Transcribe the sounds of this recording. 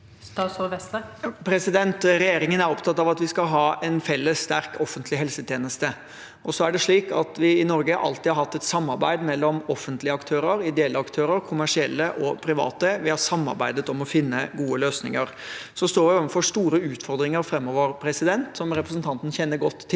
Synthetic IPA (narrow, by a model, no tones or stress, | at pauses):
st̪ɑːt̪sɔʋɛst̪əpʰɾɛsɪd̪ɛnt̪ɾɛjeːɾɪŋənæɾɔpt̪ʰɑt̪ːɑʋɑt̪ʋɪskɑlɦɑːʔɛnfɛlːəsːt̪æɾkʰɔfːənt̪lɪɦɛlsət̪ʰjeːnəst̪ə | ʔɔsɔæɖɛʂɭiːkɑ̰t̪ʋɪɪnɔɾɡəhʔɑ̰lt̪ɪhɑɾhɑt̪ːɛt̪sɑmːɑɾbæ̰ɪd̪mɛlːɔmɔfːənt̪lɪəɑkt̪ʰøːɾəɾɪd̪ɛɛlːəɑkt̪ʰøːɾəɾkʰʊmæʂɪɛlːəʔɔpʰɾɪʋɑ̰ːt̪əʋɪhɑɾsɑmːɑ̰ɾbæɪd̪ət̪ɔmɔfɪnːəɡuːəløːsnɪ̰ŋəɾ | sɔst̪oːɾʋɪoːʋənfɔʂt̪uːɾəʉːt̪fɔɾd̪ɾɪŋəɾfɾɛmːɔʋəɾpʰɾɛsɪd̪ɛnt̪sɔmɾɛpɾəs̬n̩t̪ʰɑnt̪n̩çɛnːəɾɡɔt̪ʰːɪ